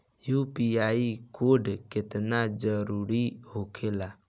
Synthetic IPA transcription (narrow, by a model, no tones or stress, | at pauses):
jupiaikoɾɖket̪nad͡ʒəɾuɾihokʰela